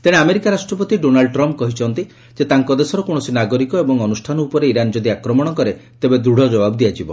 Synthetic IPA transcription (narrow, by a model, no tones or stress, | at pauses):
t̪eɽ̃eameɾikaɾasʈɾɔpɔt̪iɖonaɭɖʈɾɔmp̚kɔɦit͡ʃʰɔnt̪i | d͡ʒet̪aŋkɔd̪esɔɾɔkoɽ̃ɔsinaɡoɾikɔebɔŋɔnusʈʰanɔupɔɾeiɾand͡ʒɔd̪iakɾɔmɔɽ̃ɔkɔɾet̪ebed̪ɾuɽ̤ʱɔd͡ʒɔbabd̪iat͡ʃʰibɔ